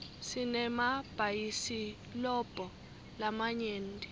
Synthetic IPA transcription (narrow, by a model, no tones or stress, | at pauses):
sinɛmab̥ʱajisi | lɔb̥ʱɔ | lamaɲeːndʱʼi